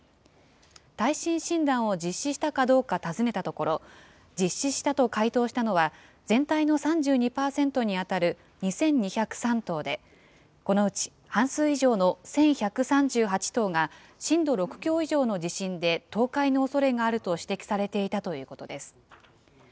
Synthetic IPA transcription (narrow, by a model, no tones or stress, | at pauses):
t̪aiɕĩɰ̃ɕĩnd̪ãɰ̃o̞d͡ʑiɕːiɕi̥t̪akad̪o̞ːkat̪azɨne̞t̪at̪o̞ko̞ɾo̞ | d͡ʑiɕːiɕi̥t̪at̪o̞kait̪o̞ːɕi̥t̪ano̞βa | zẽ̞nt̪aino̞sãɲ̟d͡ʑɨːɲ̟ipaːsẽ̞nt̪o̞ɲ̟iat̪aɾɯ̟ | ɲ̟isẽ̞ɲ̟ɲiçakɯ̟̥sãnt̪o̞ːd̪e̞ | ko̞no̞ɯ̟t͡ɕi̥ | hãɰ̃sɨːiʑo̞ːno̞sẽ̞ɰ̃çakɯ̟sãɲd͡ʑɨːɦat͡ɕi̥t̪o̞ːŋa | ɕĩnd̪o̞ɾo̞kɯ̟̥kʲo̞ːiʑo̞ːno̞d͡ʑiɕĩnd̪e̞t̪o̞ːkaino̞ːso̞ɾe̞ɡaːɾɯ̟t̪o̞ɕi̥t̪e̞kʲi̥saɾe̞t̪e̞it̪at̪o̞jɯ̟ːko̞t̪o̞d̪e̞sɨ̥